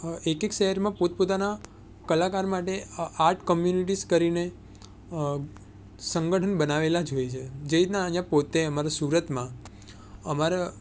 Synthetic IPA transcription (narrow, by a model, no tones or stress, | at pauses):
ekekʃɛɦəɾmãpot̪̚pot̪ana | kəlakaɾmaʈeaɾʈʰkəmjuniʈ̬iskəɾine | sə̃ŋɡəʈʰənbənaʋelad͡ʒojt͡ʃʰed͡ʒeit̪naəɦjãpot̪eəmaɾasuɾət̪mã | əmaɾa